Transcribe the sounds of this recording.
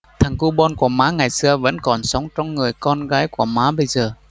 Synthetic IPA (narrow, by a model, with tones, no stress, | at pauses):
t̪ʰa˨˩ŋku˧ɓɔ˧nku˧˩əmaː˨˦ŋa˨˩jsɨ˧əvə̰˧˥nkɔ˨˩nsə˨˦wŋ͡mt͡ɕɔ˧wŋ͡mŋɨ˨˩əjkɔ˧nɣaː˨˦jku˧˩əmaː˨˦ɓə˧jzəː˨˩